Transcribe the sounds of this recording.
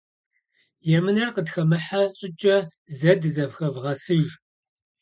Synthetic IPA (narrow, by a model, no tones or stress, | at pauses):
jɛmɨnɐrqədxɐmɨħaɕʼɪt͡ʃʼɐ | zɐdzɐvxɐvʁɐsɨʒ